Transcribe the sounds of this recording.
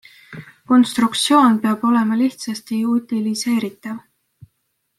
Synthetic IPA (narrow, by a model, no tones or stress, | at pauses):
ko̞nst̪rukt̪sio̞ːnpe̞ɑbo̞le̞mɑliht̪sɑst̪iut̪ilise̞ːɾit̪ˑːɑv